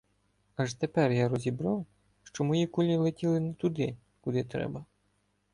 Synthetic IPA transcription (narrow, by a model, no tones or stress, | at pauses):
ɐʒt̪epɛrjaɾɔzʲibɾaw | ʃt͡ʃɔmɔjikɔlʲilˠetʲilˠɪnɛt̪ʊd̪ɪ | kʊd̪ɪt̪ɾɛ̰bɐ